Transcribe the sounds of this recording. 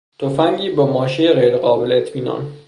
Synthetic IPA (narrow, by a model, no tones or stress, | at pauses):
t̪ʰofæŋɟiːbemɒːʃejeɣejɾeɣɒːbeleːt̪ʰmiːnɒ̰ːn